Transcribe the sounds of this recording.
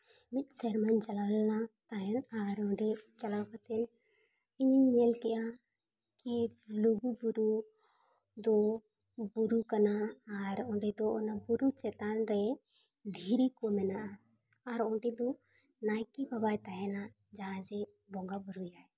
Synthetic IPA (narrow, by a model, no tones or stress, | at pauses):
mit̪̚ˀsɛɾmant͡ʃalalnat̪aɦɛnaɾɔ̃ɖɛt͡ʃalapat̪ɛn | iɲiɛlkɛʔa | kiloɡubuɾu | d̪ɔ | buɾukanaːɾɔ̃ɖɛd̪ɔːnabuɾut͡ʃɛt̪anɾɛ | d̪ʱiɾikɔmɛnaʔa | aɾɔ̃ɖɛd̪ɔ | najkibabajt̪aɦɛna | d͡ʒaɦãd͡ʒɛ | bɔŋɡabuɾujaɛ